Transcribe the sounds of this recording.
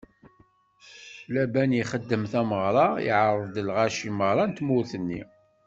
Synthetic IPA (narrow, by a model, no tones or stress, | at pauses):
læbænjiχəd̪ːəmθæməʁɾˤɑḭʕɾˤəðd̪əlʁæʃiməʁɾˤɑnt̪mʊɾθənːḭ